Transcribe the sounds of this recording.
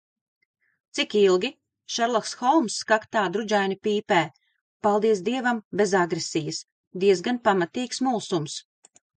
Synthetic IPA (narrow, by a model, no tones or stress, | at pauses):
t̪sikilˠɡʲi | ʃɛɾlˠaksxɔlˠmsːkakt̪aːd̪ɾud͡ʒajnipiːpɛː | palˠd̪iɛsd̪iɛvambʲezaɡɾesijəs | d̪iɛzɡanpamat̪iːksmulˠsums